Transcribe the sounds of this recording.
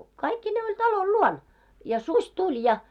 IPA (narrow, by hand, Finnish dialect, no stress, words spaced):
kɑikːineː olʲ tɑlol luon jɑ susʲ tulʲ jɑ